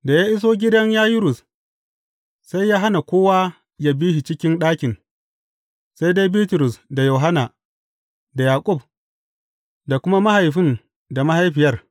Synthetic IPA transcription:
da˨jaː˦ʔɪ˦s̬oː˦ɡʲɪ˦dɐ˦ɲjaː˦jʊ˦ɾʊ˨s | sa˦jːaː˦ɦa˦na˨kʷoː˦wa˦ | ja˦biː˦hi˨t͡ʃɪ˦kʲɪ˦nɗaː˦kʲɪ˨n | sa˦jde˦jbiː˦tʊ˨ɾʊ˨sda˨jo˨wɦa˦na˨ | da˨jaː˨kʷʼʊ˦˨b̚ | da˨kʷʊ˦ma˦ma˦ha˨jɸɪ˦n | da˨ma˦ha˦jɸɪ˨jɐ˦r

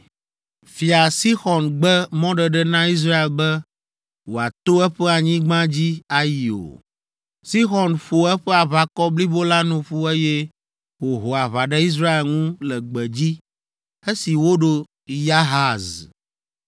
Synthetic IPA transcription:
fi˨a˨si˦xɔ˨nɡ͡bɛ˦mɔ̃˦ɖɛ˨ɖɛ˦nã˦i˦s̬ɾa˦e˨lbɛ˦ | wo˨a˨t̪o˦ɛ˦ɸɛ˦a˨ɲĩ˦ɡ͡bã˦d͡ʑi˦a˨ji˨o̰˨ | si˦xɔ˨nɸo˨ɛ˦ɸɛ˦a˨βa˨kɔ˦bli˦bo˦la˦nũ˨ɸu˦e˦jɛ˦ | wo˨ɦo˨a˨βa˨ɖɛ˦i˦s̬ɾa˦e˨lŋũ˦lɛ˨ɡ͡bɛ˨d͡ʑi˦ | e˦si˨wo˦ɖo˦ | ja˦ɦa˦˨z

